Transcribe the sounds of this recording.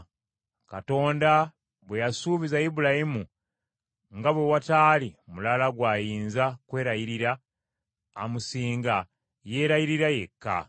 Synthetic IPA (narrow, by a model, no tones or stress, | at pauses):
kato̞ːnda | βwejasuːβizajibulahimu | ŋɡaβwe̞wataːlimulalaɡwaːjiːnzakwe̞ːɾajiɾiɾaː | musiːŋɡa | je̞ːɾajiɾiɾaje̞kːa̰